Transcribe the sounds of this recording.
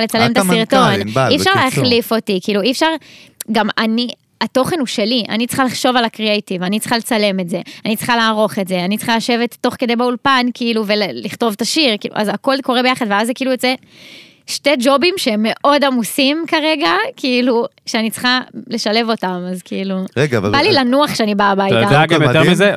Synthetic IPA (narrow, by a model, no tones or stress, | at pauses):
let͡salemet̪siʁt̪o̞niːʃaʁleaχlifo̞tikiiːluiːfʃaʁɡamani | ato̞χe̞nuʃe̞liʔa̰nit͡sχaliχʃo̞valakʁiejtivanit͡sχale̞t͡sale̞metze̞anit͡sχalaːʁo̞χe̞tzeanit͡sχalaʃe̞vetːo̞χke̞d̪ejbeulpankiːluve̞lliχto̞vt̪aʃiʁkḭːlṵʔa̰zako̞l̚ko̞ʁebe̞jaχad̪veazekiiːlujot͡se̞ | ʃte̞d͡ʒo̞bimʃeemːe̞ʔo̞d̪amusimkaʁe̞ɡakiːluʃeanit͡sχale̞ʃalevo̞tamazkiiluʁeɡbalilanuaχʃeanibabajtad̪aɡamjoteʁmize